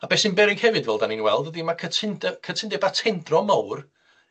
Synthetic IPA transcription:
abɛːsɪnbɛɾɪɡhɛvɨdvɛlˠdaninwɛlˠdədimakʰətʰɪndɛkʰətʰɪndɛbatʰɛndrɔmawr

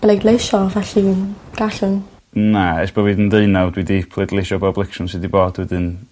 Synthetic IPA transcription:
b̥lejdlejʃɔvaɬiɡ̥aɬən | naɛsb̥ɔviːdəndeɨnawdwidipʰlˠedlˠejʃɔbablˠɪkʃʊnsɨdiboːdwɛdɨn

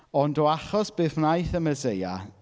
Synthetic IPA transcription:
ɔndɔaχɔsb̥eθnajθəməzeja̰

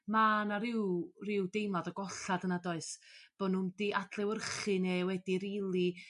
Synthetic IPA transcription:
maːnaɾɪwrɪwdejmaðɔɡɔɬadənadɔɨsb̥onundiʔadlˠɛwərχɨnewɛdiɾilˠi

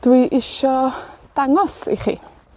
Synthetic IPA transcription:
d̥wiʔɪʃɔd̥aŋɔsḭχḭː

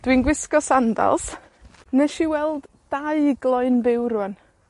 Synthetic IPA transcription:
d̥winɡwɪskɔsanda̰lˠs | nɛʃiwɛlˠd | d̥aɨɡlˠɔɨnbɪwɾwən

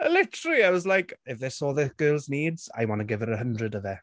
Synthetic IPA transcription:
əlɪtʰəɾəlˠiawɔzlajkɛvɛsɔːðɛθɡ̥əːlˠzniːdz̥a̰jmɔnəɡɪvɛɾəɦəndrədəðɛ

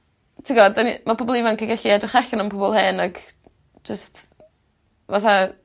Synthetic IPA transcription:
tʰɪɡɔdanimapɔbɔlˠivɔnkʰiɡaɬiɛdrɪχaɬɔnənpʰɔbɔlˠheːnaɡ | d͡ʒəst | vaθa

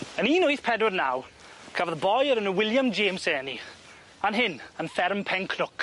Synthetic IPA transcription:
əniːnʊɨθpʰɛdwɪdna̰w | kʰavaðbɔjəɾənəwɪlˠjamd͡ʒeːmsɛːni | anɦɪnənfɛɾmpʰɛŋkʰnʊk

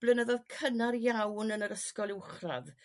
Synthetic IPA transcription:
b̥lˠənəðɔðkʰənarjawnənəɾəskɔlˠɪwχra̰ð

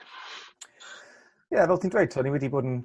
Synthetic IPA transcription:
jɛvɛlˠtʰiːndwejtʰɔniwɛdiboːdn̩

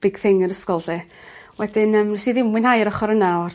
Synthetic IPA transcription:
b̥ɪɡ̥θɪŋəɾəskɔlˠɬɛ | wɛdɪnəmriʃiðɪmwɪnhajəɾɔχɔɾənaar

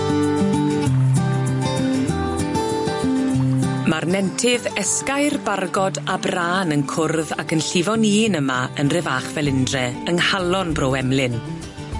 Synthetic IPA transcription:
marnɛntʰɪðɛskajrbarɡɔdabraːnənkʰʊrðakənɬɪvɔniːnəmaənrɛvaːχvɛlˠɪndrɛənhalˠɔnbrowɛmlɪn

